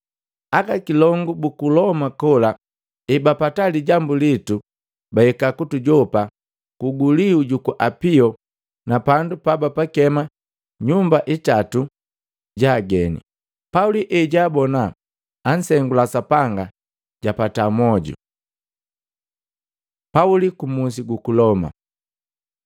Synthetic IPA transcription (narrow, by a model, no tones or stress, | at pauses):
akakilɔŋɡubukulɔmakɔla | ɛbapataliɟambulitu | bahɛkakutuɟɔpa | kuɡuliuɟukuʔapiɔ | napandupabapakɛma | ɲumbaʔitatu | ɟaːɡɛnḭ | pauliʔɛɟaːbɔnaː | n̩sɛŋɡulasapaŋɡa | ɟapatamɔɟṵ | paulikumus̬iɡukulɔma̰